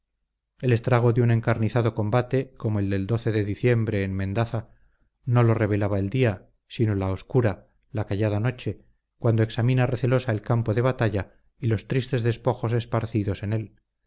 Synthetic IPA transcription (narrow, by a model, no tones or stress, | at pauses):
e̞le̞st̪ɾaɣ̞o̞ðeune̞ŋkaɾniθaðo̞ko̞mbat̪e̞ko̞moe̞ld̪e̞ld̪o̞θe̞ðe̞ðiθje̞mbɾe̞ːnmẽnd̪aθa | no̞lo̞re̞β̞e̞laβaeld̪ia | sinolao̞skuɾa | lakaʝað̞ano̞t͡ʃe̞ | kwand̪oeksamĩnareθe̞lo̞sae̞lkampo̞ðe̞βat̪aʎa | ilo̞st̪ɾist̪e̞zðe̞spo̞xo̞s̬e̞spaɾθiðo̞se̞ne̞l